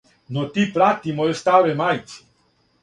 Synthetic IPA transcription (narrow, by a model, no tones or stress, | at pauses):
not̪ipɾat̪imoɛst̪aʋɛmajt̪si̥